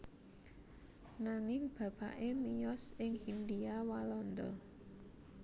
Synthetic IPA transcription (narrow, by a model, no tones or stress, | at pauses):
naŋɪŋb̥ä̤b̥aʔemijɔsɪŋhind̪iawalɔnd̪ɔ̰